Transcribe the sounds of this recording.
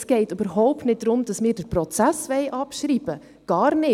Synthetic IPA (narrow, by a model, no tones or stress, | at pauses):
sɡ̥ɛɪtybəɾɦɔʊptnɪt̚d̥ɾʊmd̥ɑsmɪːɾdəɾpɾɔt͡sæsʋɛɪʔɑpʃɾiːb̥ə | ɡ̥ɑːɾnɪ